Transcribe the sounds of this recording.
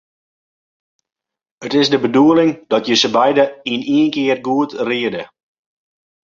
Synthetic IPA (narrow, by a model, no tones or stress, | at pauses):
ətɪsdəbəduəlɪŋd̥ɔtjəsəbɛjdəiniənkɪərɡuətriədə